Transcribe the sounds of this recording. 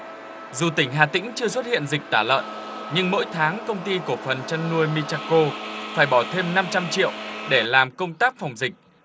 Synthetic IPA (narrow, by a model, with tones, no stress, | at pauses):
zu˨˩t̪ï˧˩ŋ̟ɦaː˨˩t̪ï˧˥ŋ̟t͡ɕɨ˧əs̬wə˦˥t̚hḭ˧˨ənzï˨˩k̚t̪aː˧˩lə̰ː˧˨n | ɲɨ˧ŋmo̰˧˥jt̪ʰaː˨˦ŋkə˧wŋ͡mt̪i˧ku˧˩əfə˨˩nt͡ɕa˧nːu˧əjmi˧t͡ɕaː˧ko˧faː˧˩jɓɔ˧˩t̪ʰe˧mna˧mt͡ɕa˧mt͡ɕḭ˧˨əwɗe˧˩laː˨˩mkə˧wŋ͡mt̪aː˦˥k̚fa˨˩wŋ͡mzï˨˩k̟̚